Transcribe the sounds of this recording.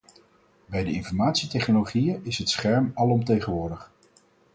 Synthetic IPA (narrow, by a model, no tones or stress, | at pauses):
bɛjdəɪnfɔɹmaːtsitɛχnoloχijəɪsɦətsχɛɹmɑlˠɔmtejχənʋʊːɹdəχ